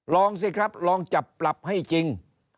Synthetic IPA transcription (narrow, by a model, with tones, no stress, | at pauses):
lɔː˧ŋs̬i˧˩kʰɾa˦˥p̚lɔː˧ŋt͡ɕa˨˩p̚ːla˨˩p̚ha˥˩jt͡ɕi˧ŋ